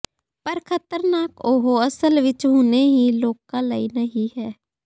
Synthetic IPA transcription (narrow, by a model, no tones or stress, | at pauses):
pəɾkʰət̪əɾnaːkoɦoəsəlʋɪt͡ʃɦuːneɦiːloːkãːləiːnəɦĩɦɛː